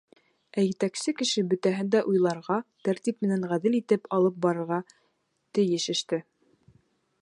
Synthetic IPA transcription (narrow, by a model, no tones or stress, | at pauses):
æjɘ̆t̪æksɘkɘ̆ʃɘbɵ̆t̪æɦɘnd̪æʔujlˠɑɾʁɑt̪æɾt̪ip̚mɘ̆næŋʁæðɘlit̪ɘpɑlˠɤp̚bɑɾɤ̆ɾʁɑ | t̪ɘ̆jɘʃɘ̆ʃt̪ɘ